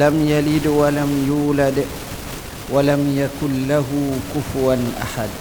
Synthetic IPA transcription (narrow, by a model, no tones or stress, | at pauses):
lamjalidwalamjuːlad | walamjakunlaɦukufwanʔa̰ħad